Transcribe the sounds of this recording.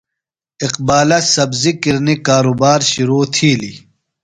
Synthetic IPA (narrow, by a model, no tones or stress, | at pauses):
iqbaːlɐsɐbzikiɾnikaːɾuːbaːɾɕuɾuːt̪ʰiːli